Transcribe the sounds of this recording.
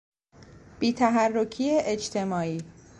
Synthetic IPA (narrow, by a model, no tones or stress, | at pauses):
b̥iːt̪ʰæɦærːo̞cʰiːeʔet͡ʃt̪ʰe̞mɒːiː